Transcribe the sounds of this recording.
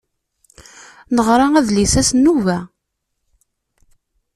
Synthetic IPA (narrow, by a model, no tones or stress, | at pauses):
nəʁɾˤɑæðlisæsnːuvæ